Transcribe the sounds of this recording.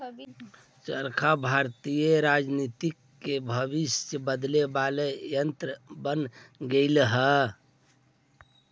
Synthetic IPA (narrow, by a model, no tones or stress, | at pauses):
t͡ʃəɾkʰabʱaɾt̪ijeɾad͡ʒnit̪ikːebʱəbisjəbəd̪lebalejənt̪ɾəbənɡeɪlɦə